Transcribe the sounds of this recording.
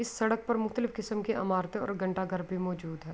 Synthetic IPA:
ɪsːɐɽək̚pɐɾmʊxt̪əlɪfkɪsəmkeʔɐ̰maːɾt̪ẽɔ̰ːɾɡʱɐ̃ɳʈaɡʱɐɾbʱimɔːd͡ʒuːd̪ɦɛː

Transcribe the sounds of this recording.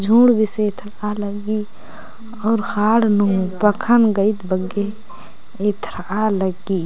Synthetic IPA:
d͡ʒʱuːɽbʱiset̪ʰɾaləɡi | ɔːɾxaːɽnuːpəkʰənɡəit̪bəɡe | et̪ʰɾaləɡi

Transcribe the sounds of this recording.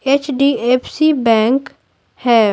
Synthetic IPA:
eːt͡ʃɖieːpʰsibɛ̃ːŋk | hɛː

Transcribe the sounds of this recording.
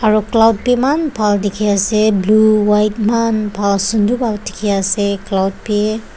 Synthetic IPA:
aɹuklawd̚pɛmanpʰaldekʰiasɛbluwajt̚manpʰalsundubalti̥kʰiasɛklawd̚pe

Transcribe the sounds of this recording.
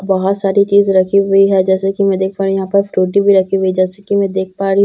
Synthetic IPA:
bɐɦɔt̪saːɾit͡ʃiːzɾɐkʰiɦʊiɦɛd͡ʒɛːsekimɛ̃d̪eːk̚ʰpaːɾ̃jɐɦãpɐɾfɾuːʈibʱiɾɐkʰiɦʊid͡ʒɛːsekimɛ̃ːd̪eːk̚ʰpaːɾi

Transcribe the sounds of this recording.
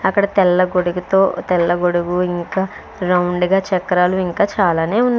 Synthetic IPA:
ɐkːɐɽɐt̪ɛlːɐɡoɽuɡut̪o̞ːt̪ɛlːɐɡoɽuɡuiŋkaː | ɾɐwɳɖɡaːt͡ʃɛkːɐɾaːluiŋkaːt͡ʃaːlaːne̞ːunː

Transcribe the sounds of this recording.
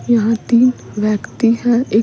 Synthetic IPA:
jɐɦãt̪iːn | ʋjəkt̪iɦɛ̃e

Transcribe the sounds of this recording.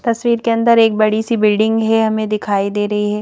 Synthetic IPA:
t̪ɐsʋiːɾkeɐ̃nd̪əɾeːk̚bɐɽisibɪlɖɪ̃ŋɡɦɛɦɐmẽd̪ɪkʰaːid̪eːɾɐɦiɦɛː

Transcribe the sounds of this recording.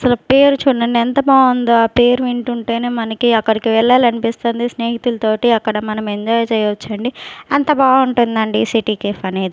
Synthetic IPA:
ɐsɐlupe̞ːɾut͡ʃuːɽɐɳɖiɛnt̪ɐbaːond̪oːaːpe̞ːɾuʋiɳʈuɳʈeːneːmɐnɐkiɐkːɐɽikiʋɛɭːaːlɐnipist̪ond̪isneːɦit̪ulɐt̪o̞ːʈiɐkːɐɽɐmɐnɐmeɲd͡ʒaːjt͡ʃɛːjɐʋɐt͡ʃːɐɳɖiɐnt̪ɐbaːɡuɳʈund̪ɐɳɖisiʈiːkeːfɐneːd̪i

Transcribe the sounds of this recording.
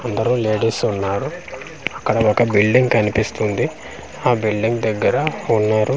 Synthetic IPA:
ɐnd̪ɐɾule̞ːɖisunːaːɾu | ɐkːɐɽɐɔkɐbilɖiŋɡkɐnipist̪und̪i | aːbilɖiŋɡd̪ɐɡːɐɾɐunːaːɾu

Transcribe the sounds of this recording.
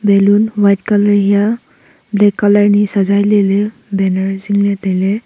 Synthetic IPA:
bɛluːnʋajʈ̚kaləɾja | blɛkːaləɾnisəd͡zajlele | bɛnəɾd͡ziŋɡlẽt̪ele

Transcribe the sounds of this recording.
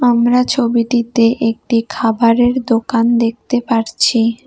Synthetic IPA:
amɾat͡ɕʰobiʈit̪eʔek̚ʈikʰabaɾeɾd̪okand̪ek̚ʰt̪epaɾt͡ɕʰi

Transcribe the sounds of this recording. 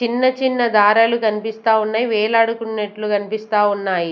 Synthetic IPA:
t͡ʃinːɐt͡ʃinːɐd̪aːɾaːlukʰɐnipist̪aːunːɐjʋɛːlaːɽukunːɐʈlukʰɐnipist̪aːwunːaːji

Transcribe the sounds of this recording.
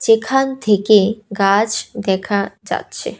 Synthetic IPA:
d͡ʒekʰant̪ʰekeɡad͡ʒd̪ɛkʰad͡ʒa̰t̪t͡ʃʰe

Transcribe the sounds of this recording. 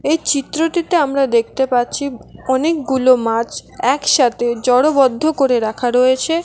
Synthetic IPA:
ejt͡ɕit̪ːɾoʈit̪eamɾad̪ek̚ʰt̪epaɾːt͡ɕʰiɔnek̚ɡulomat͡ɕɛkʃat̪ʰed͡ʑɔɽobɔd̪ʱːokoɾeɾakʰaɾɔjet͡ɕʰe

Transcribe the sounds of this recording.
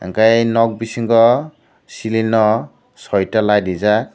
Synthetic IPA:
ɛ̰ŋkajnɔk̚bisiŋɡɔ | silinɔ | sɔjtalajdiza

